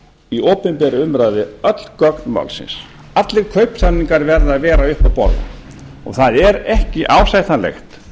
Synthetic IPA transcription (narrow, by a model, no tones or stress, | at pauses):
ioːpɪmpɛɾʏʏmɾaːjðɪœt̪l̥kœknma̰wlsɪ̰ns | at̪lɪɾ̥kʰœɥpsanːiŋkaɾvɛɾðavɛːɾaʏhpapɔ̰ɾða̰ | ɔ̰ɣθaðɛɾɛhcɪʔaːwsajt̪anlɛ̰xt̪